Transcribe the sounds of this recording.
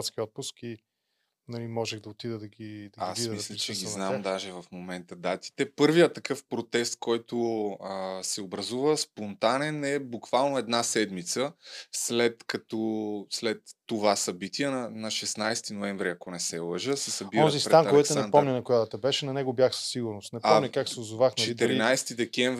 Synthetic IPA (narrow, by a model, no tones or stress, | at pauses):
t̪skʲiɔt̪̚pʊski | nɐlimɔʒɛɣd̪ɐot̪id̪əd̪ɐɡid̪ɐasimmislʲɐt͡ʃɛɡʲiznamdd̪aʒɛvɐfmomɛnt̪əd̪at̪i̥t̪ɛpɤɾvijət̪ːɐkɤfpɾot̪ɛst̪̚kɔjt̪oəsɛobɾɐzuvəspont̪anɛnɛbukv̥alˠnoɛd̪nasɛd̪mit̪səslɛt̪kɐt̪ɔslɛt̪ːovasɐbit̪iɛnɐnɐʃɛsnajst̪inoɛɱvɾiɐkonɛsɛlˠəʒəsɛsɐbiɔzispɾɛanɛɛksʊnɛand̪pɔmɲʲənɐkʊjad̪ət̪ɐbɛʃɛnɐnɛɡobjaxsə̥sːiɡʊɾnost̪nɛɔmɲʲəkaksɛʊzʊvaxnt͡ʃɛt̪ɛɾinajst̪id̪ɛkʲɛmv